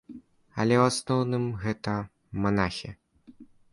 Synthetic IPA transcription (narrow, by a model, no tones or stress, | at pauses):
ɐlʲɛwasnɔwnɨmɣɛt̪ɐ | manaxʲi